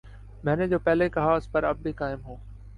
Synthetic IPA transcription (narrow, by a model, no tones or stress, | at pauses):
mɛ̃ːned͡ʑoːpɛɦlekɐɦaʊspɐɾɐb̚ːʱikaːɪmɦoː